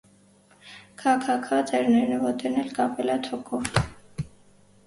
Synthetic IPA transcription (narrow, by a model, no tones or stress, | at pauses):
kʰɑkʰɑkʰɑt͡sɛɾnɛɾnəvɔt̪ʰɛnɛlkɑpɛlɛt̪ʰɔkʰɔ